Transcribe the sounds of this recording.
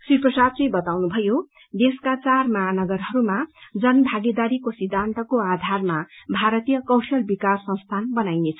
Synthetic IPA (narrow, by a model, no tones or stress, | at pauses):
siprʌsad̪̚t͡sʌjbʌt̪awnubʱʌjo | d̪eskat͡sarmaːnʌɡʌrɦʌɾumad͡zʌnbʱaɡed̪aɾikosid̪ʱːant̪ʌkoad̪ʱarmabʱaɾʌt̪ijʌkʌwsʌlbikasːʌ̃st̪ʰanbʌnajnet͡sʰʌ̥